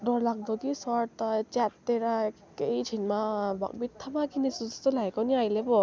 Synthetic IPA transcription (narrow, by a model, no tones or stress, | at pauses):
dɔɾlak̚d̪ɔkisɔɾt̪at͡ʃatːeɾa | kejd͡ʒʰinmaba̰k̚bit̪ʰːamakʰinisuzasulajkɔniajlebɔ